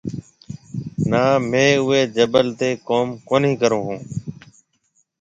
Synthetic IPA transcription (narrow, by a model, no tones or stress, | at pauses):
naːmẽːʊeːd͡ʒəbəlt̪eːkoːmkoːnĩːkəɾõːɦũː